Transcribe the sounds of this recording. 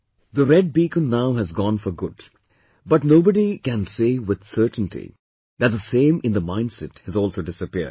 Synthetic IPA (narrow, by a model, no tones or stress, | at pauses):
ðəɾɛɖ̚bikə̃nːaʊɦɨzɡɔ̃ːnfə˞ɡʊd | bʌʈnoʊbəɖikæ̃nseːwɪð̥sɜ˞tn̩tʰḭ | ðæt̚zəsẽɪ̃mɪ̃nd̪əmãɪ̃ndsɛthɨzɔːlˠsoʊdɪsəpiɹd̚